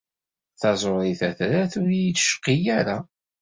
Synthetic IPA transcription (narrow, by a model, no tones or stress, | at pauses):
θɑzˤoɾˤiθæθɾæθʊɾjit͡sːʃqːijæɾa